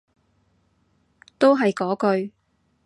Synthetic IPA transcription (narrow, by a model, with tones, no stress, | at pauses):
t̪o˥wɦɐ˨jkɔː˨˥kɵ˧ɥ